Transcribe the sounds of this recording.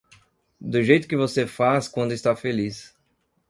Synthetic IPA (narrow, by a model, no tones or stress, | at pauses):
d̪ʊʒejt̪ʊkɪvosefaskwɐ̃nd̪ʊɪst̪afelis